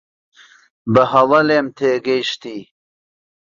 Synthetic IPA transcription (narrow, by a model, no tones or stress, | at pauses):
bɐɦɐlɐleːmt̪ʰeːɡejʃt̪iː